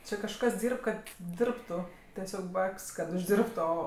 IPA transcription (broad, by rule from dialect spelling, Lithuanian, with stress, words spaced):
ˈt͡ʃʲɛ kɐʃˈkɐs ˈdʲiːrp ˈkɐt ˈdʲɪrptʊ tʲɛˈsʲoːk ˈbɐpʲkʲsʲ kɐt ʊʒʲˈdʲɪrptʊ ˈoː